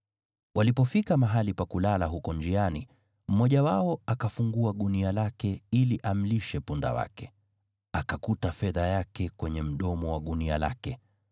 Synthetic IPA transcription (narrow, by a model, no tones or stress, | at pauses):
walipɔfikamaɦalipakulalaɦukɔnd͡ʒiani | m̩mɔʄawaɔakafuŋɡuaɠunialakɛiliʔam̩liʃɛpunda̰wa̰kɛ̥ | akakutafɛðajakɛkwɛɲɛm̩ɗɔmɔwaɠunia̰la̰kɛ